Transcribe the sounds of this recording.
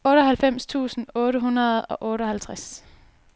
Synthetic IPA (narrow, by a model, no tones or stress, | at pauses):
ɔ̽ːɾɒɦælfem̰st͡sʰṵːsn̩ɔːɾəɦunɐð̞̩ˠɒ̽ʔɔ̽ːɾəɒ̽hælt͡sʰʁas